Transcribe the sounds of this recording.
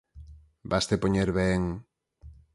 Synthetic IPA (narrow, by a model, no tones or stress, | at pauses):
bast̪epoɲeɾβeŋ